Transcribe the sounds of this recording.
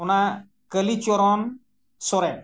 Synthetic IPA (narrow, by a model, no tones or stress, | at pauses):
una | kəlit͡ʃɔɾɔn | sɔɾɛ